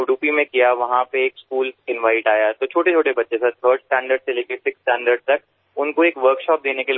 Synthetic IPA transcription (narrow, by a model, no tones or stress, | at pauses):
ʊɖuːpimẽkijaʋɐɦãpeeːkskuːlsɪ̃nʋaːɪʈaːjat̪ot͡ʃʰoːʈet͡ʃʰoːʈebɐtːʃeset̪ʰəːɾɖsʈɛ̃ːɳɖəɾɖseleːkʰesɪksʈɛ̃ːɳɖəɾɖt̪ɐk | ʊnkoeːkʋəɾkʃɔːp̚d̪eːnekel